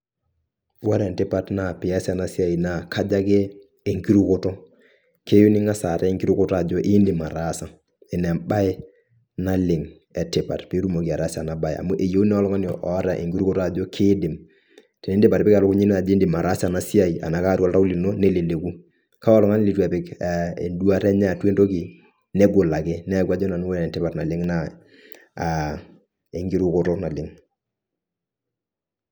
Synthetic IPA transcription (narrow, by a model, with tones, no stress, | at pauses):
a˦ɾɛ˨ntɪ˦pa˦tna˨pɪ˨a˦sa˨na˨si˦a˦i˨na˨ka˦d͡ʒa˦kɛː˦˨ | ŋki˦ɾu˦ko˦tɔ˦ | ke˦ju˦nɪ˦ŋa˦sa˨ta˦ŋki˦ɾu˦kʊ˦ta˨d͡ʒɔ˦ʔɪ˦ndɪ˨ma˨ɾa˦sa˦ | ɛ˨nɛ˨mba˦ɪ˦ | na˦lɪ˨ŋ | ɛ˨tɪ˨pa̰˨tpi˦ɾu˦mo˨ki˨a˨ɾa˦sa˨na˨ba˦ja̰˨mu˦ʔe˨jo˦u˦nɛ˦ɔ˦lɔ˦ŋa˦njɔ̰˨ʔɔ˨˦ɾa˨ʔḛ˨ŋki˦ɾu˦kɔ˦ta˨d͡ʒɔ˦kʰɪ˦dɪ˨m | te˨ne˦ndɪ˦pa˨ɾpɪ˦ka˨ɾʊ˦kʊ˦ɲi˦na˨d͡ʒe˦ndɪ˨ma˨ɾa˦sa˨na˦si˦a˦˨i˨a̰˨na˨ka˦ɾwɔ˦lta˦u˦li˨no˦ne˦le˨le˨ku˦ | ka˦ɔ˦lɔ˦ŋa˦n˦li˨˦twa˨pɪ˦kḛ˨ndwa˦ɾɛ˦ɲa˦˨twe˦ndo˦ki˨ | nɛ˦ɡʊ˨la˨kɪ˦nɛ˦kwa˦d͡ʒɔ˦na˨n˦wo˦jɛ˨tɪ˦pa˨rna˨lɪ˦ŋna˦˨ | e˨ŋɡi˦ɾu˦kʊ˦ɾɔ˦na˨lɪ˨ŋ